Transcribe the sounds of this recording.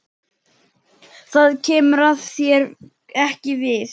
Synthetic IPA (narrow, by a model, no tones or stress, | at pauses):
θaðcʰɛːmʏɾaðθjɛɾ | ɛhcɪvɪθ